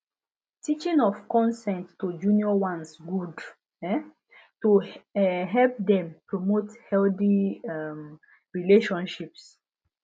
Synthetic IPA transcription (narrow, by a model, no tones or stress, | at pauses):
tit͡ʃĩnɔfkɔ̃nsɛ̃nttod͡ʒuniɔwãnsɡud | ɛ | to | ɦɛlp̚dɛ̃mpɹomothɛldiɛm | ɹileʃɔ̃nʃips